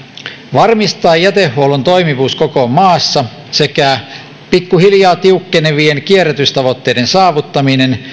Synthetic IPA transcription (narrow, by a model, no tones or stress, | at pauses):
ʋɑrmist̪ɑːjæt̪ehːuolunt̪o̞jmiʋuːskokomɑːsːɑ | sekæ | pikːuhiljɑːt̪iukːeneʋienkieret̪yst̪ɑʋot̪ːejdensɑːʋut̪ːɑminen